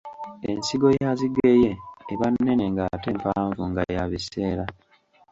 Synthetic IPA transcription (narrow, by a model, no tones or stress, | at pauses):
e̞̰nsiɡo̞jaziɡejeːβanːe̞ne̞ŋɡate̞ːmpaːɱvuŋɡa̰jaβise̞ːɾa